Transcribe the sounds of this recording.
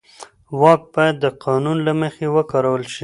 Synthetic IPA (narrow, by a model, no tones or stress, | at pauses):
wɑk̚bɑjad̪ːəqʰɑnunlaməxewəkɑɾawəlʃi